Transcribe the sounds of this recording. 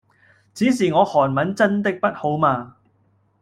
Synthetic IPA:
t͡siː˨˥s̬iː˨˩ŋɔː˨˧hɔː˨˩nmɐ˨˥nt͡sɐ˥nt̪ɪ˥k̚pɐ˥t̚ho˨˥wmaː˧

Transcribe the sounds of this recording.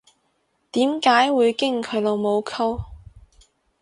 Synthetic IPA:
t̪iː˨˥mkaː˨˥jwuː˨˧jkɪ˥ŋkʰɵ˨˧ɥlo˨˧wmo˨˧wkʰɐ˥w

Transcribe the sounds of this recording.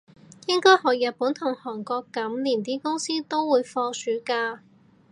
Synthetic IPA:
jɪ˥ŋkɔː˥jhɔː˨˩jɐ˨t̚puː˨˥nt̪ʰʊ˨˩ŋhɔː˨˩ŋkɔː˧kːɐ˨˥mliː˨˩nt̪iː˥kʊ˥ŋsiː˥t̪o˥wwːuː˨˧jfɔː˧syː˨˥kaː˧

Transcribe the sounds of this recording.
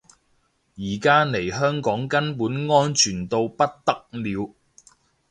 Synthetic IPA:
jiː˨˩kaː˥ne˨˩jɦœː˥ŋkɔː˨˥ŋkɐ˥npuː˨˥nŋɔː˥nt͡ʃʰyː˨˩nt̪o˧wpɐ˥t̚t̪ɐ˥k̚liː˨˧w

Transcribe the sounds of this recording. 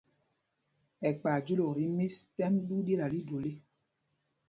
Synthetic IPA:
ɛ˨k͡paː˨d͡ʒu˦lo˨ɾi˨˦mi˦stɛ˦mdu˦dje˦la˨li˦do˨le˦

